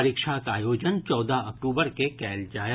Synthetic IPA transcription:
ɾɪkʃakaːjoːd͡ʒənt͡ʃɔːd̪aək̚ʈuːbəɾkekɛːld͡ʒaːj

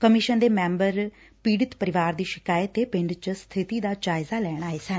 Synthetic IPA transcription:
kəmɪʃənd̪eːmɛ̃ːmbəɾ | piːɽɪt̪pəɾɪʋaːɾd̪iːʃɪkaːjət̪eːpɪ̃ɳɖt͡ʃəst̪ʰɪt̪iːd̪aːd͡ʒaːɪzaːlɛːɽ̃aːesɛ̃ːn

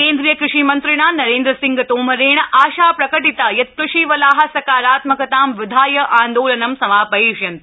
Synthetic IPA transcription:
keːnd̪ɾijɐkɾɪʂiːmɐnt̪ɾiɳaːnɐɾẽːnd̪ɾɐsĩŋɡɐt̪oːmɐɾeːɳɐʔaːʃaːpɾɐkɐʈit̪ajɐt̪̚pɾɐʃiːʋɐlaːɦɐ̆sɐkaːɾaːt̪mɐkɐt̪aːmʋɪd̪ʱaːjɐʔaːnd̪oːlɐnɐmsɐmaːpɐɦiːʃjɐnt̪

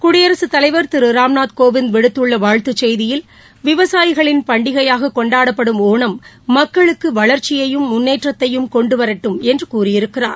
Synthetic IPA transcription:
kʊɽɪjɐɾɐsɯt̪ɐlɐɪʋɐɾt̪ɪɾɯɾaːmnaːt̪koːʋɪnd̪ʋɛɽɯt̪ːɯɭːɐʋaːɻt̪ɯt͡ʃːɛjðɪjɪl | ʋɪʋɐsaːjɪɣɐɭɪnpɐɳɖɪɣɐjaːɣɐkɔɳɖaːɽɐpːɐɽɯmoːɳɐmːɐkːɐɭɯkːɯʋɐɭɐɾt͡ʃɪjɐjɯmːʊnːeːʈrɐt̪ːɐjɯmkɔɳɖɯʋɐɾɐʈːɯmɛndrɯkuːrɪjɪɾɯkːɪra̰ːɾ

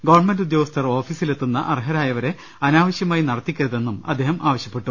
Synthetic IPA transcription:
ɡɐʋɐrɳmendud̪joːɡɐst̪ʰɐro̞ːfiːsile̞t̪ːunːɐʔɐrɦɐɾaːjɐʋɐɾe̞ | ɐnaːʋɐɕjɐmaːjinɐɽɐt̪ːikʲːɐɾuðe̞nːumɐ̰d̪ʱːe̞ːɦɐmʔaːʋɐɕjɐpːe̞ʈːu

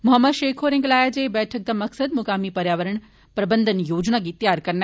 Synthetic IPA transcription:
mʊɦəmːəd̪ʃeːkʰoːɾẽŋɡlaːjad͡ʑebɛːʈʰək̚d̪amɐksəd̪mʊkaːmipɐɾjaːʋəɾəɽ̃ | pɾɐbənd̪ʱənjoːd͡ʑnaɡit̪jaːɾkɐɾn

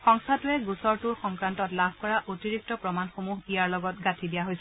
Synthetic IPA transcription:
xɔŋsʰatʊɛɡusɔɹtuɹxɔŋkɹantɔtlabʱkɔɹaʔotiɹik̚tɔpɹɔmanxomuɦijaɹlɔɡɔt̚ɡatʰidijaɦojsɛ

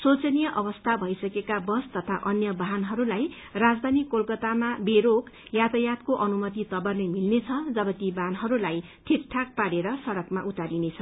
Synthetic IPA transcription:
sot͡sʌnijʌʔʌbʌst̪ʰabʱʌjsʌkekabʌst̪ʌt̪ʰa̰ʔʌnjʌbaɦanɦʌɾulaj | rad͡zd̪ʱanikolkʌt̪amabeɾokjat̪ʌjat̪koʔʌnumʌt̪it̪ʌbʌrnemilnet͡sʰʌd͡zʌbʌt̪ibʱanɦʌɾulaj | ʈʰik̚ʈʰak̚paɽeɾʌsʌɾʌkmaʔut̪aɾinet͡sʰʌ

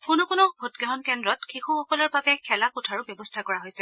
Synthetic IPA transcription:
kʊnʊkʊnɔbʱutɡɛɦɔnkɛndɹɔtkʰixʰuxɔkɔlɔɹbabɛkʰɛlakutʰaɹʊbjɔbɔstʰakɔɹaɦojsɛ

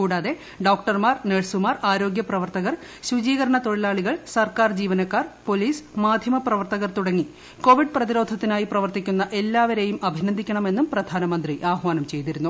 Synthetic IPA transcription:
kuːɽaːðe̞ | ɖoːk̚ʈɐrmaːrneːɻsumaːraːɾo̞ːɡjɐprɐʋɐrt̪ɐɣɐr | ɕud͡ʑiːɣɐɾɐɳɐt̪o̞ɻilaːɭiɣɐɭsɐrkaːrd͡ʑiːʋɐnɐkːaːrpo̞liːsmaːd̪ʱjɐmɐprɐʋɐrt̪ɐɣɐrt̪uɽɐŋːi | ko̞ːʋiɖ̚prɐðiɾo̞ːd̪ʱɐt̪ːinaːjiprɐʋɐrt̪ikʲːunːɐʔe̞lːaːʋɐɾe̞jumɐbʱinɐnd̪ʱikʲːɐɳɐme̞nːumprɐd̪ʱaːnɐmɐnd̪riʔaːɦʋaːnɐmt͡ɕe̞jt̪iɾunːu

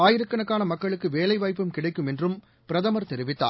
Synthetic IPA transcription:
aːjɪɾɯkːɐɳɐkːaːnɐmɐkːɐɭɯkːɯʋeːlɐɪʋaːjpːɯmkɪɽɐɪkːɯmɛndrɯm | pɪɾɐðɐmɐɾt̪ɛɾɪʋɪt̪ːa̰ː

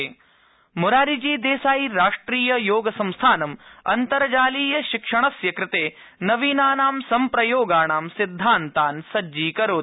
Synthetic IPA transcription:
muɾaːɾid͡ʒiːd̪eːsaːjiɾaːʂʈɾiːjɐjoːɡɐsɐ̃mst̪ʰaːnɐmɐ̰nt̪ɐɾɐd͡ʒaːliːjɐʃikʂɐɳɐsjɐkɾɪt̪eː | nɐʋiːnaːnaːmsɐmpɾɐjoːɡaːɳaːmsid̪ʱːaːnt̪aːnsɐd͡ʒːiːkɐɾoː

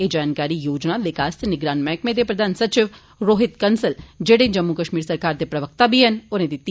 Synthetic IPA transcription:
eːd͡ʒaːnkaːɾiːjoːd͡ʒnaʋɪkaːst̪nɪɡɾaːnmɛ̃ːkmẽːd̪eːpɾəd̪aːnsət͡ʃɪʋ | ɾoːɦɪt̪kənsəld͡ʒeːɽẽːd͡ʒəmːukəʃmiːɾsəɾkaːɾd̪eːpɾəʋəkt̪aːbʱiːɦənʊnẽːd̪it̪ː

